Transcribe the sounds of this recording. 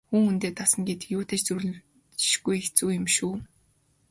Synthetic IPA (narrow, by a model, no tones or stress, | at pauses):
xuːŋunt̪eːt̪asə̆ŋɡet̪ɘ̥̆kjʊːt̪ʰeːt͡ɕt͡suɾ̆ | t͡ɕʃɡujext͡suːjɪ̆mʃuː